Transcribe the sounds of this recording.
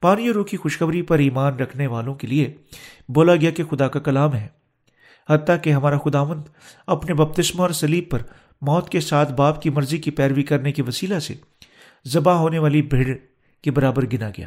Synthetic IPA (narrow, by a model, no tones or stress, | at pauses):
paːnijoɾõːkixʊʃxɐbɾipɐɾiːmaːnɾɐkʰneʋaːlõkelieboːlaɡɪjakexʊd̪akakɐlaːmɦɛː | hɐt̪t̪ːakeɦɐmaːɾaxʊd̪aːʋə̃nd̪ | ɐpnebɐb̚t̪ɪsmaɔːɾsɐliːb̚pɐɾ | mɔːt̪kesaːt̪ʰbaːpkimɐɾzikipɛːɾʋikɐɾnekiʋɐsiːlasḛ | zɐbaɦoːneʋaːlibʱeɽ | kebɐɾaːbəɾɡɪnaɡɐja̰ː